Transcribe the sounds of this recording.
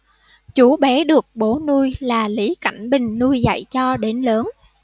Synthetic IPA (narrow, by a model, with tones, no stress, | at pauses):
t͡ɕu˨˦ɓɛ˨˦ɗɨ˨˩ək̚ɓo˨˦nu˧jlaː˨˩li˨˦ka̰˧˩jŋ̟ɓï˨˩ŋ̟nu˧jza̰˧˨jt͡ɕɔ˧ɗe˨˦nləː˨˦n